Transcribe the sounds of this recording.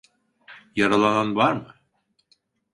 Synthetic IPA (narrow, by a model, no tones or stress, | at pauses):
jɑɾɑlˠɑnɑnβɑɾmɤ